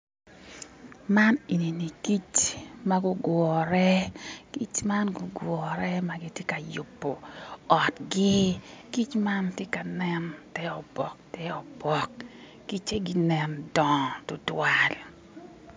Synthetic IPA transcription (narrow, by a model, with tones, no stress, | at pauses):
ma˦ne˨ni˨ni˨ki˦t͡ʃma˦ɡʊ˦ɡwɔ˨ɾɛ˦ki˦t͡ʃma˦nɡʊ˨ɡwɔ˨ɾɛ˦ma˨ɡɪ˦tje˦ka˨ju˨pːo˨ɔ˨tɡɪ˦ki˦t͡ʃma˦ntje˦ka˨nɛ˦ntɛ˦ɔ˨b̥ɔ˨k̚tɛ˦ɔ˨bɔ˨kː | i˦t͡ʃe˦ɡɪ˦nɛ˨ndɔ˨tʊ˨twa˨l